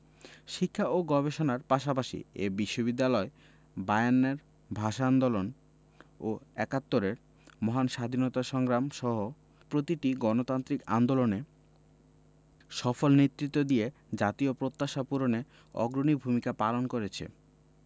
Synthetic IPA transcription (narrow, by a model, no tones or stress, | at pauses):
ʃikʰːaoɡɔbeʃonaɾpaʃapaʃḭḛbiʃːobid̪ːalɔe | bajanːeɾ | bʱaʃand̪olon | oɛkat̪ːoɾeɾ | mɔɦanʃad̪ʱinɔt̪aʃɔŋɡɾamʃɔɦo | pɾot̪iʈiɡɔnot̪ant̪ɾika̰nd̪olone | ʃɔfolnet̪ːɾit̪ːod̪ie | d͡ʑat̪iopɾot̪ːaʃapuɾone | ɔ̰ɡɾonibʱumikapalonkoɾet͡ɕʰḛ